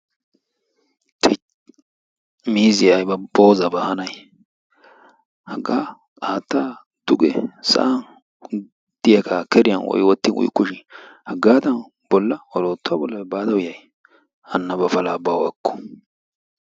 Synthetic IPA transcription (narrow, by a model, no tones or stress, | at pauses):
t̪ʰɪ | miːzɪɐjbɐboːzɐbɐhɐnɐj | hɐɡaː | aːt̪ːa | d̪̥ʊɡɛ̰sɐ̰ʔan | d̪̥ɪjɐkʰakɛɾɪjɐnwɔ̰jwɔt̪ːɪnʊ̰jkːʊʃɪhɐɡːaːd̪ɐn | b̥ɔlːɐwɔloːt̪ːʊabɔlːɐbaːd̪ɐwʊjɐj | ɐnːɐbɐfɐlabawɐkːɔ̥